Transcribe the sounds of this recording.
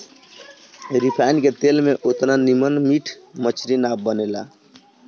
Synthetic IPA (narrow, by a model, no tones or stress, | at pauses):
ɾipʰajnket̪elmeʔot̪nanimənmiʈʰmət͡ʃʰɾinab̚bənela̰